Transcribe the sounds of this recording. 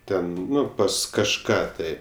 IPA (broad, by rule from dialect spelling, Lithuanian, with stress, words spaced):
ˈtʲɛn ˈnʊ pɐs kɐʃˈkɑː tɐɪ